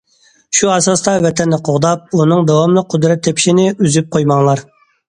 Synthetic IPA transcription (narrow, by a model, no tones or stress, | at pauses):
ʃuɛsɑst̪ɑvɛt̪ʰɛnːɪqʰoʁd̪ɑp̚unɨŋd̪ɛwɑmlˠɨqʰʊd̪ɾɛt̪ʰːɛpʰi̥ʃinɪyzyp̚qʰojmɑŋlˠɑɾ